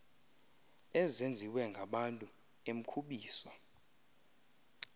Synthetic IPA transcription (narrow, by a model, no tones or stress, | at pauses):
ɛzend͡zʱiwɛŋɡʱaɓantʼu | em̩kʰuɓiːsɔ